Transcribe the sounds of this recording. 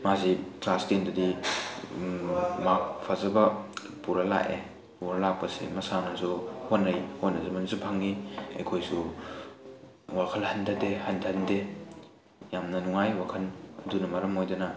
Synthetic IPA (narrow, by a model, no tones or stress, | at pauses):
mazikastendɐdi | makpʰazɐbɐ | puɾɐla̰ʔḛ | puɾɐlak̚pɐsḭmɐsanasuhonːɐjhonːɐzɐmɐnisupʰaŋːiɐ̰jkʰojsu | wakʰɐlhɐntʰadehɐntʰɐnde | jamnɐnuŋajwakʰɐnɐdunɐmɐɾɐmojdɐnɐ